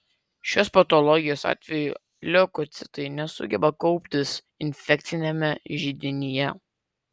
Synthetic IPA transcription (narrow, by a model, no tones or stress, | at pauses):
ʃʲoːspɐt̪ɔlˠɔɡʲɪjoːsɑ̰ːt̪ʲʋʲɛjuː | lʲɛkɔt̪sʲɪt̪ɐɪnʲɛsʊ̰ɡʲɛbɐkɔʊpʲt̪ʲɪs | ɪnʲfʲɛk̚t̪sʲɪnʲɛmʲɛʒʲid̪ʲɪnʲɪjɛ